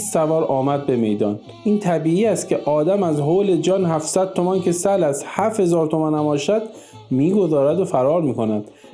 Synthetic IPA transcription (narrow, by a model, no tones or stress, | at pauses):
sævɒːɾɒːmæd̪̚beme̞̰jd̪ɒːn | iːnt̪ʰæbiːiːæst̪cʰe̞ʔɒːd̪æmæzɦoːled͡ʒɒːnhæfsæd̪̚t̪omæncʰe̞sælæshæfhe̞zɒːɾt̪ʰomænæmɒːʃæd̪ | miːɡo̞zɒːɾæd̪ofæɾɒːɾmiːko̞næd̪̥